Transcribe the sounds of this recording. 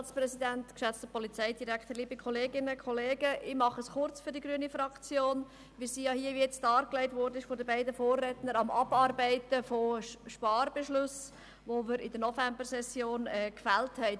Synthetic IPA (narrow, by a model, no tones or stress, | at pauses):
t͡sprɛsidæntkʃɛt͡stəpʰɔlit͡sɛɪdiɾæktəɾliːbəkʰχɔleːɡɪnəkʰχɔleːɡəʔɪmɑχəsχʊɾt͡sfyɾdiɡɾyːənifɾɑkt͡sjoːn | ʋɪlsiːjɑhiːəʋiɛt͡sdɑːɾklɛɪtvɔːɾdənɪʃfodəbæɪdəfoːrːɛtnəɾɑmʔɑ̰bɑːɾbæɪtəfoʃpɑːrbeʃlʊs | ʋoməɾɪdənɔfɛmbəɾsɛsjoːnɛkfæːlthɛɪ